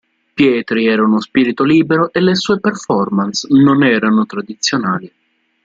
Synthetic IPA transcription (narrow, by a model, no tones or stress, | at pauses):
pjɛːt̪ɾiɛːɾaunospiːɾit̪oliːbeɾoʔelesuːeperfɔrmansnonɛːɾanot̪ɾad̪it̪sːjonaːli